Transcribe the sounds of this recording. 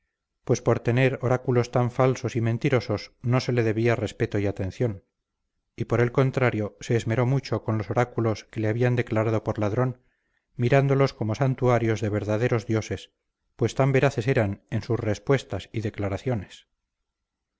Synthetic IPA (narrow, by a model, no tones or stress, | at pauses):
pwe̞spo̞ɾt̪e̞ne̞ɾoɾakulo̞st̪aɱfalso̞sime̞nt̪iɾo̞so̞sno̞se̞le̞ðe̞βiare̞spe̞t̪oiat̪e̞nθjo̞n | ipo̞ɾe̞lko̞nt̪ɾaɾjo̞se̞ːzme̞ɾo̞mut͡ʃo̞ko̞nlo̞so̞ɾakulo̞ske̞leaβiand̪e̞klaɾað̞o̞po̞ɾlaðɾo̞n | miɾand̪o̞lo̞sko̞mo̞sant̪uaɾjo̞zðe̞β̞e̞ɾðaðe̞ɾo̞zðjo̞se̞s | pwe̞st̪ambe̞ɾaθe̞se̞ɾane̞nsusre̞spwe̞st̪asiðe̞klaɾaθjo̞ne̞s